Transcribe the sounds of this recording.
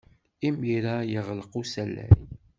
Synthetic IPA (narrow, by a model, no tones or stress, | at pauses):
imiɾajəʁlqusælːæ̰j